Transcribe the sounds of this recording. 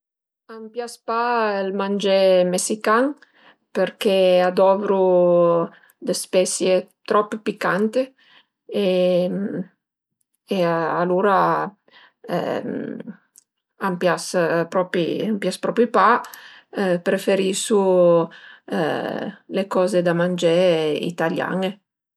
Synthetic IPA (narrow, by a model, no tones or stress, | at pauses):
ampjaspaelmand͡ʒɛmesikaŋ | peɾkead̪ɔvɾu | d̪espɛsjet̪ɾɔpːpikːant̪e | em | ealuːɾa | ampjaspɾɔpiampjaspɾɔpipa | pɾefeɾisu | lekɔːzed̪amand͡ʒeɾeḭt̪alja̰ŋe